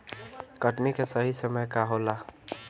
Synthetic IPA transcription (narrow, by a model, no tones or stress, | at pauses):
kəʈnikesəɦisəməjkaɦola